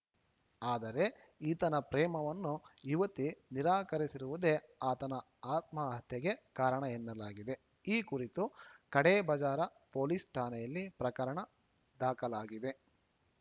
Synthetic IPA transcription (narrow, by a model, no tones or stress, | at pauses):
aːd̪ɐɾe̞ | iːt̪ɐnɐpɾɛːmɐʋɐnːuiʋɐt̪iniɾaːkɐɾisiɾuʋud̪e̞aːt̪ɐnɐ | aːt̪̚mɐɦɐt̪jɐɡe̞kaːɾɐɳɐenːɐlaːɡid̪e̞ | iːkuɾit̪ukɐɽebɐd͡ʒaːɾɐpoːlisʈʰaːnɛjɐlːipɾɐkɐɾɐɳɐ | d̪aːkɐlaːɡid̪e̞